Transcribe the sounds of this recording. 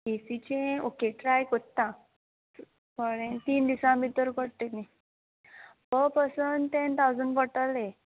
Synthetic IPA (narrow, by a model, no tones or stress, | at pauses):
ɡesit͡ɕẽokeʈɾajkot̪ã | pəɽẽnt̪iːnd̪isãmit̪ːəɾkəɽt̪eni | bəpəsənt̪ent̪awd͡zəɳɖpəʈ̪əle